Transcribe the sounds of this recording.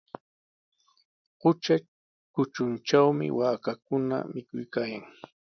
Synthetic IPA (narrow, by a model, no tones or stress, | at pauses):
qʊt͡ʃa | kʊt͡ʃʊnt͡ʃawmɪ̰waːkak̚ʊna̰mɪkʊjkaːjaŋ